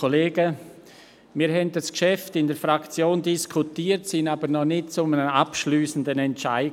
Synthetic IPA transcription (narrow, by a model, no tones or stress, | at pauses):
oleːɡ̥ə | miːɾɦɛnt̚d̥askʃɛftɪndɛəɾfɾakt͡sjoːndiskʰutiːəɾtsɪnaːbəɾnɔnɪt̚t͡sʊmənəapʃlyːsən̩dənɛntt͡ʃaɪ